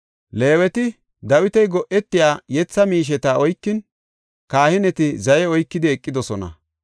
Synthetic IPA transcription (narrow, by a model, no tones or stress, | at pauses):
le̞ːwɛt̪ɪ | d̪ɐwɪt̪ɛjɡɔʔɛt̪ːɪjaːjɛt͡sːɐmiːʃ̬ɛt̪ɐɔjkːɪn | kaːhɪnɛt̪ɪzɐjɛɔjkːɪd̪ɪɛkʼːɪd̪ɔsɔnɐ̰